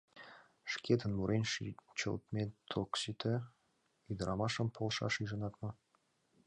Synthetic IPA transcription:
ʃkʲet̪ə̆nmuɾenʲʃt͡ɕə̰lt̪mʲet̪ʰoksit̪ʰɘ̆ | yjd̪əɾʔɑmɑʃə̆mpʰolˠʃɑ̰ʃiʒɤ̆nɑt̪mɤ̆

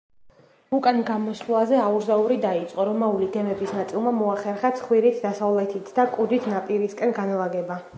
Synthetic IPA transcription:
ukʼanɡamɔslˠazɛauɾzauɾid̪ait̪sʼqʼɔɾɔmauliɡɛmɛbisnat̪sʼilˠmamɔaχɛɾχat̪sʰχwiɾit̪ʰd̪asavlɛt̪ʰit̪ʰd̪akʼud̪it̪ʰnapʼiɾiskʼɛnɡanalˠaɡɛba

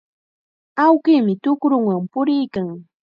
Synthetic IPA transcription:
awkiːmɪt̪ʊkɾʊŋwampʊɾɪjkaŋ

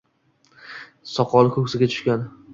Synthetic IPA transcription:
sɒqʰɒlˠɪkʰɵkʲsɪɡʲat̪ʰʊ̥ʃkʲan

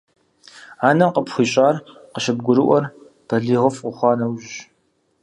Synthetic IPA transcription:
aːnɐmqəpxʷiːɕʼaːrqəʃɪbɡʷʊɾɨʔʷɔr | b̥ʰɐɮiːʁəfʊxʷɑːnɐwʒɕ

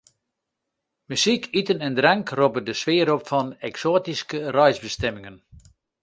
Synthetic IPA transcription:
mysikʰitənɛndrɾɛŋkropədəsʋɪəɾopfɔnɛksoːtiskərɔjzbəstɛmɪŋən

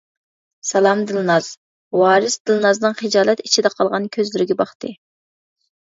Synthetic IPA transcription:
sɛlˠɑmd̪ɨlnɑz̥ | wɑːɾɨsd̪ɨlˠnɑznɨŋχɪd͡ʒɑːlˠɛt̪i̥t͡ʃʰid̪ɛqʰɑlˠʁɑnkʲʰøzlɪɾɪɡʲɛbɑχt̪ɨ

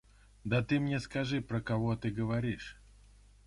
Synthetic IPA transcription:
d̪ɐt̪ɨmnʲeskɐʐɨpɾəkɐvot̪ɨɡəvɐɾʲiʂ

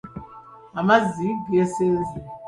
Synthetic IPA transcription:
amaziɡesezi

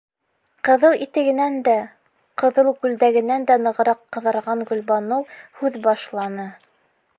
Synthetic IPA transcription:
qɤ̆ðɤlˠit̪ɘ̆ɡɘ̆nænd̪æ | qɤ̆ðɤlˠkʉld̪æɡɘ̆nænd̪ænɤ̆ʁɤ̆ɾɑqːɤ̆ðɤ̆ɾʁɑŋɡɵ̆lβɑnɤwhʉðbɑʃlˠɑnɤ

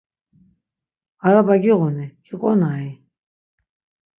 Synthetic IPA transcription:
aɾabaɡiʁɔniɡ̥iqʼɔnai

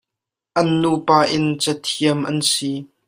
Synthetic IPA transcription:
ʔɐnːuːpaːʔɪnt͡sɐt̪ʰiəmʔɐnsi

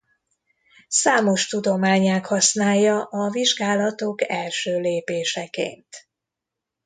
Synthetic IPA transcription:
saːmo̞ʃt̪ud̪o̞maːɲaːkhɒsnaːjːɒʔɒviʒɡaːlɒt̪o̞kɛlʃøːleːpeːʃɛkḛːnt̪

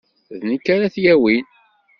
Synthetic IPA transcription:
ðnikːaɾaθjæwin

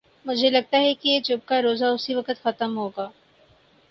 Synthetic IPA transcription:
mʊd͡ʒʱelɐɡ̚t̪aɦɛkijeːt͡ʃʊb̚kaɾoːzaʊsiʋɐkət̪xɐt̪əmɦoːɡaː

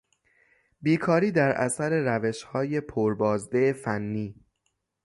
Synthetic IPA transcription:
biːkʰɒːɾiːd̪æɾʔæ̰sæɾe̞ɾæveʃhɒːje̞pʰoɾbɒːzd̪efænːiː

